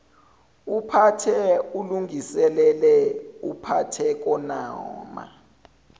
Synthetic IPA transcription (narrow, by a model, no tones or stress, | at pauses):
upʰatʰɛuluŋisɛlɛlɛupʰatʰɛk̬ɔnaɔːma̰